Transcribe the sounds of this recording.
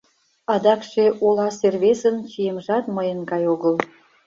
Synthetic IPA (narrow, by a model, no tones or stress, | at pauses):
ɑd̪ɑkʃeʔolɑserβesənt͡ɕijemʒɑt̪məjənɡɑjoɣəl